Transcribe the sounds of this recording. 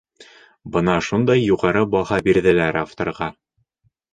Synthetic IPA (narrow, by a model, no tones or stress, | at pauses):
bɤnɑʃund̪ɑjːuʁɑɾɤbɑhɑbiɾðɘ̆læɾaft̪ŏ̰ɾʁɑ